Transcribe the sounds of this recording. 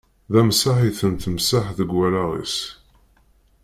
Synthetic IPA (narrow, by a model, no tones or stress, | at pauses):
ðæmsaħiθənt̪əmsaħðəɡːælaʁḭs